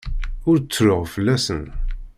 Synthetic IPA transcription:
ʊɾt͡sːɾʊʁfəlːæsə̰n

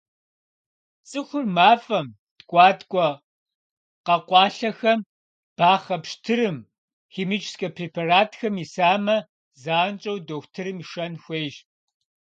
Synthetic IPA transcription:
t͡sʼɨxʷʊrmaːfʼɐm | tɡʷʼɑːtkʷʼɔ | qɐqʷɑːɬɐxɐm | b̥aːχɐpʃtʰɨɾɨm | xiːmit͡ʃʰʼskɐpʰreːpʰaraːtʰxɐmisaːmɐ | zaːnt͡ʃʼɐwdoxʷtʰɨɾɨmiʂɐnxʷeːjʒ

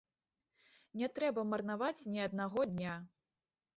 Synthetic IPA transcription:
nʲɛt̪ɾɛbɐmɐrnavat͡sʲnʲiɐd̪̚naɣɔd̪ʲnʲa

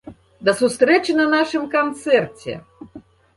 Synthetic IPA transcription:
d̪ɐsust̪ɾɛt͡ʃɨnɐnaʂɨmkant̪sɛrt͡sʲɛ̰

